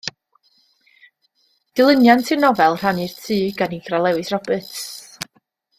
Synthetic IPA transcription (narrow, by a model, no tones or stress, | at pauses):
d̥ɪlˠənjantʰɨnɔvɛlˠr̥anirtʰɨːɡaniɡralˠɛwɨsrɔbɨts